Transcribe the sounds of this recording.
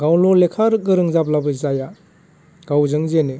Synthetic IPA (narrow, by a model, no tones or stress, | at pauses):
ɡawlɔlekʰaɾɯk̚ɡɯɾɯŋzap̚labɯzaja | ɡ̥awzɯŋzene